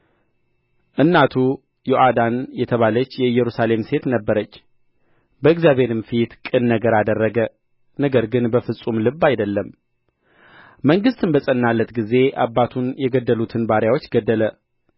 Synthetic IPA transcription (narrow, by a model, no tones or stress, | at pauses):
ʔɨnːat̪ʰu | joʔad̪anjɛt̪ʰəβalət͡ʃːjɛɨjːɛɾusale̞mse̞t̪nəbːəɾət͡ʃː | bəɨɡzjaβe̞ɾɨmfit̪kʼɨnːəɡəɾad̪ərːəɡə | nəɡəɾɡɨnbəfɨsʼumlɨbːajd̪əlːəm | məŋɡɨst̪ɨnbəsʼənːalːət̪ɡize̞ʔa̰bːat̪ʰunjɛɡəd̪ːəlut̪ʰɨnbaɾjawo̞t͡ʃːɡəd̪ːələ